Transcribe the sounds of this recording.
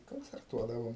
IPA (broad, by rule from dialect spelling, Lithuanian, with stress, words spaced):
koːnʲt͡sʲɛrˈtuɔdɐʋoːm